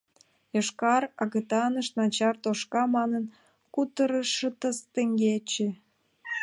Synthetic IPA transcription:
jəʃkɑrɑɣə̆t̪ɑnəʃt̪nɑt͡ɕɑrt̪oʃkɑmɑnən | kut̪əɾəʃət̪əst̪ĕŋɡet͡ɕe

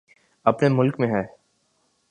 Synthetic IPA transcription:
ɐpnemʊlkmẽɦɛː

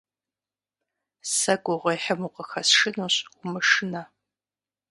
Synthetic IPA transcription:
sɐɡʷʊʁʷɐjħəmuqəxɐsʂɨnoɕʷʊmɨʂɨna

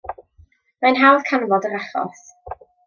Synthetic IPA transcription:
majnɦawðkʰanvɔdəɾaχɔ̰s

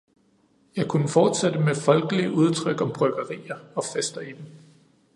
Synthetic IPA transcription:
jɑ̈ɪkʰunəfɒːd̥sed̥əmefɒ̽lɡ̥əliʔuð̞ˠt͡sʰʁœɡ̥ɒ̽mb̥ʁœɡ̥ɐʁḭːɐɒ̽fesd̥ɐid̥em

